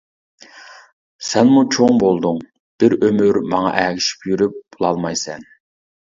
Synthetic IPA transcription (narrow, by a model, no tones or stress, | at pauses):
sɛnmut͡ʃʰoŋbolˠd̪ʊŋ | b̥ɪɾømyɾmɑŋɑ̰ʔæːɡʲiʃi̥pjyɾyp̚b̥ulˠɑlˠmɑjsɛn